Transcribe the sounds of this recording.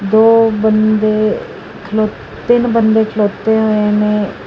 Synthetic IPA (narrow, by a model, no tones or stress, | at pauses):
d̪oːbənd̪eː | kʰəloː | t̪ːɪnbənd̪eːkʰəloːt̪eːɦoːenẽː